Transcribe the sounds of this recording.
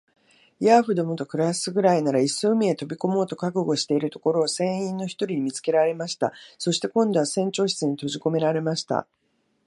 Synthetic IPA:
jaɸɯ̟d̪o̞mot̪o̞kɯ̟ɾasɨɡɯ̟ɾainaɾaisoɯmʲie̞t̪o̞bʲiko̞mo̞ːt̪o̞kakɯ̟ɡo̞ɕi̥t̪e̞iɾɯ̟t̪o̞ko̞ɾo̞ːsẽ̞ɰ̃ĩnːo̞çi̥t̪o̞ɾʲiɲ̟imʲit͡sɨ̥ke̞ɾaɾe̞maɕi̥t̪a̰so̞ɕi̥t̪e̞kõ̞nd̪o̞βasẽ̞ɲ̟t͡ɕo̞ːɕi̥t͡sɨɲ̟it̪o̞ʑiko̞me̞ɾaɾe̞maɕi̥t̪a̰

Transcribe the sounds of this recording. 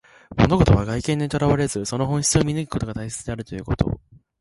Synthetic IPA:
mo̞no̞ɡo̞t̪o̞βaɡaikẽ̞ɲ̟ːit̪o̞ɾaβaɾe̞zɨso̞no̞ɦõçi̥t͡sɨomʲinɯ̟ɡʲiko̞t̪o̞ɡat̪aise̞t͡sɨd̪e̞aɾɯ̟t̪o̞jɯ̟ːko̞t̪o̞̰

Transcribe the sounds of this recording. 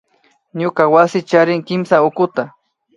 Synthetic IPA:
ɲʊkawasɪt͡ʃaɾɪŋkɪmsaʊkʊt̪a

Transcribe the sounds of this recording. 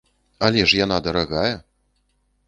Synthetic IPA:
alʲɛʂjan̪ad̪ɐɾaɣajɛ

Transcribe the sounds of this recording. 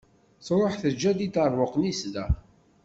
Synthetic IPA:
sɾˤoħθəd͡ʒːæd̪id̪ərˤvʊqnisd̪æ

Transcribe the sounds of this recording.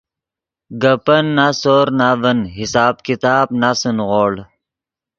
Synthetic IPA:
ɡəpɐnːasoːɾnavɐnɦisaːbkit̪aːbnasunʁoːɽ

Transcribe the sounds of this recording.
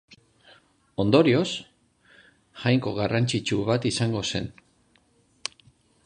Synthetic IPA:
o̞nd̪o̞ɾio̞s | ʝajŋko̞ɣarant͡ʃit͡ʃuβat̪isaŋɡo̞se̞̰n

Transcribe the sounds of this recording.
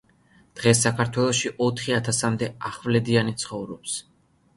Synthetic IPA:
d̪̥ʁɛsːakʰaɾt̪ʰwɛlˠɔʃiʔɔt̪ʰχiat̪ʰasamd̪ɛaχvlɛd̪ianit̪sʰχɔvɾɔps

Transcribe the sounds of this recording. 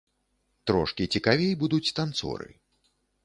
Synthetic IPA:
t̪ɾɔ̰ʂkʲit͡sʲikavʲejbud̪ut͡sʲt̪ant̪sɔ̰ɾɨ̰

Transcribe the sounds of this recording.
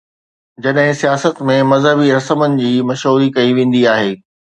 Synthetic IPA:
d͡ʑɐɗɦɪ̃sijaːsət̪mẽmɐzɦəbiɾɐsəmənɪ̆d͡ʑiːmɐʃɦuːɾikɐiʋẽːn̆d̪iaːɦeː

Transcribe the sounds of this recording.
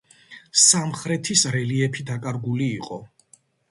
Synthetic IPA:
samχɾɛt̪ʰisɾɛliɛpʰid̪akʼaɾɡuliːqʼɔ

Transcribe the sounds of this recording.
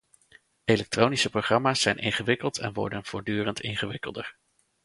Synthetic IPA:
ejlɛk̚trownisəproχrɑmaːsːɛjnʔɪŋχəʋɪkəlˠtʰɛ̰nʋɔ̰ɹdənv̥ʊːɹdyːrəntɪnχəʋɪkəlˠdəɹ

